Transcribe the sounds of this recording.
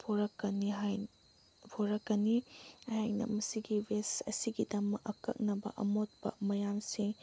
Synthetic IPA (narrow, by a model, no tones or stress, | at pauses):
pʰoɾɐkːɐniɦaj | pʰoɾɐkːɐniɐhajnɐ̰mɐsiɡibʱesɐsiɡidɐmɐkɐkːɐ̰k̚nɐbɐ̰ʔɐmot̚pɐ̰mɐjamsiŋ